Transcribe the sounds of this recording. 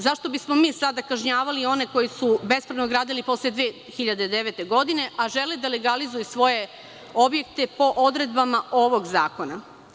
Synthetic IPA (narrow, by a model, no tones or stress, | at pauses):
zaʃt̪o̞bismo̞miːsad̪akaʒɲaːʋalio̞ne̞ko̞jisube̞spɾenoɡɾaːd̪ilipo̞slˠeed̪ʋeː | xiʎad̪ed̪eʋet̪e̞ɡo̞d̪ine̞ʔaʒe̞led̪aleɡalizujusʋo̞je̞ | obje̞kt̪e̞po̞ʔod̪ɾe̞d̪bamaʔo̞ʋoɡzaːko̞na